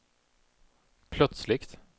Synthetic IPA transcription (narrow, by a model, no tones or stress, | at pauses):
pʰlœt̪slɪkt̪